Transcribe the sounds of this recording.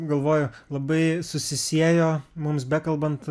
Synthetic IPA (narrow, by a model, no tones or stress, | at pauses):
ɡɐlˠʋoːjʊlˠɐbɐɪsʊsʲɪsʲiɛjoːmʊmsbʲɛkɐlˠbɐnt̪